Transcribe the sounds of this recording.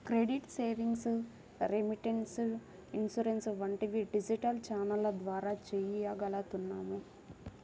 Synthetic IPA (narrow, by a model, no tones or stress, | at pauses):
kɾeɖiʈseːʋiŋɡs | ɾemiʈeɳʈs | insuɾensʋɐɳʈiʋiɖid͡ʒiʈɐlt͡ʃaːnɐlɐd̪ʋaːɾaːt͡ʃejiaɡɐlɐt̪unːaːmu